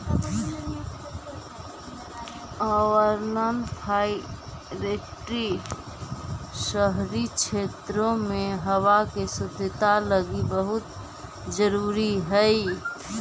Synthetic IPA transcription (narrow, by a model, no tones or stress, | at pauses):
ɔwəɾnənpʰai | ɾeʈɾi | ʃəɦɾit͡ʃʰet̪ɾõmẽɦəwakesʊt̪ɪt̪aləɡibəɦʊt̪ | d͡ʒəɾuːɾiɦəi